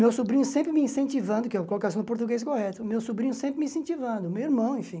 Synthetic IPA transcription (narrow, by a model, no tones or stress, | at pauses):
mewsobɾĩɲʊsẽmpɾɪmɪĩsẽnt͡ʃ̪ivɐ̃nd̪ʊkɛkolokasɪ̃nʊpoɾt̪uɡejskohɛt̪ʊmewsobɾĩɲʊsẽmpɾɪmĩsẽt͡ʃivɐ̃nd̪ʊmewiɾmɐ̃w̃ẽfĩ